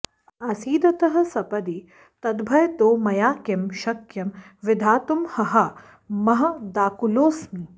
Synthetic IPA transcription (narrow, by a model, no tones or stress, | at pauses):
ɐsiːd̪ɐt̪ɐɦɐ̆sɐpɐd̪i | t̪ɐd̪bʱɐjt̪oːmɐjaːkɐmʃɐkjɐm | ʋɪd̪ʱaːt̪umhɐɦa | mɐɦɐ̆d̪aːkuloːsmiː